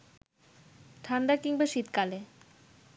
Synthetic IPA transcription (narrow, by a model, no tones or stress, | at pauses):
ʈʰanɖakiŋbaʃit̪kale